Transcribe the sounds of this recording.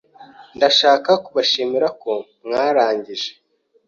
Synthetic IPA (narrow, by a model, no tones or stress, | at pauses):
ndaʃaːkakuβaʃimiɾako̞mŋaːɾaːɲɟiʒe̥